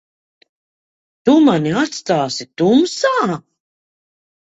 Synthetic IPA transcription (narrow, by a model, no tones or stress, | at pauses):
t̪umaniat̪st̪aːsit̪umsaː